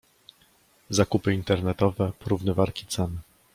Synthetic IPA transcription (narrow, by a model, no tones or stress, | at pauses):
zakupɘint̪ɛɾnɛt̪ɔvɛpɔɾuvnɘvaɾkʲi̥t̪sɛn